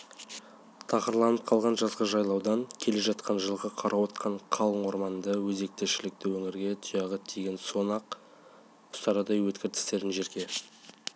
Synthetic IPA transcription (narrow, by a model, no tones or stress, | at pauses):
t̪ʰɑqəɾlˠɑnəp̚qʰɑlˠʁɑnʒɑzʁɑʒɑjlˠɑwd̪ɑŋkʲʰe̞le̞ʒɑt̪qʰɑnʒəlˠʁɑqʰɑɾʔɑwot̪qʰɑɴqʰɑlˠəɴwo̞ɾmɑnd̪ɑwɵze̞k̚t̪e̞ʃɪlɪk̚t̪ɪwɵŋɪɾɡʲe̞t̪ʰʊjɑʁət̪ʰejɡʲe̞nso̞nɑq | ʊ̥st̪ɑɾɑd̪ɑjwɵt̪kʲɪɾt̪ʰɪ̥st̪e̞ɾɪnʒe̞ɾkʲe̞